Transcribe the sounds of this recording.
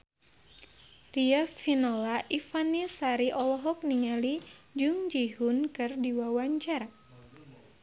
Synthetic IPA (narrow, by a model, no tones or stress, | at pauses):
riafinɔlaʔifanisaɾiʔɔlɔɦɔk̚niŋalid͡ʒuŋd͡ʒiɦunkɨrdiwawaɲt͡ʃaɾa